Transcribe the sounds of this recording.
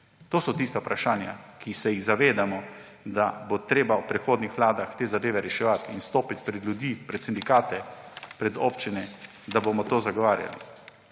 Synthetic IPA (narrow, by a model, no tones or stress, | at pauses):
t̪oːsɔt̪iːst̪aupɾaʃaːnja̰kʰisɛjiɣzaʋeːd̪amɔ | d̪abot̪ɾeːbawpɾɛxoːd̪nixʋlaːd̪axt̪eːzad̪eːʋɛɾɛʃɛʋat̪inst̪oːpit̪̚ʲpɾɛd̪lʲjud̪iːpɾɛt̪sind̪ikaːt̪ɛ | pɾɛd̪o̰ːpt͡ʃinɛ | d̪abomɔt̪oːzaɡɔʋaːɾja̰lḭ